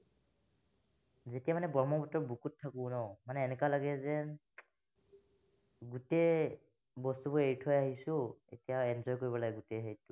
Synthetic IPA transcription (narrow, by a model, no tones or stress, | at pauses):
zetijamanɛbɔɹmɔbɔtːɔɹbukutʰːakũnɔmanɛːnɛkalaɡɛzɛ | ɡutej | bɔstubɔeɹitʰɔjaɦisʊ̃ḛtijaɛnzɔjkoɹibɔlaɡɛɡuteɦejtʊ